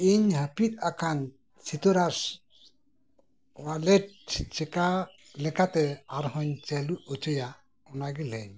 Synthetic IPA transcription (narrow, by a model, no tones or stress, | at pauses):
iɲhapit̪̚akʰan | sit̪uɾas | walɛt̚t͡ʃɛka | lɛkat̪ɛaɾɦɔɲt͡ʃɛluɔt͡ʃɔja | ɔnaɡilɛɲ